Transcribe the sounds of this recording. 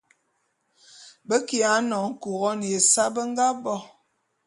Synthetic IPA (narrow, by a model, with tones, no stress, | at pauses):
bə˦ki˨a˨˦nɔ˨ŋ̩˦ku˨ɣɔ˦n˨je˨sa˦bə˦ŋ˦ɡa˦bɔ˦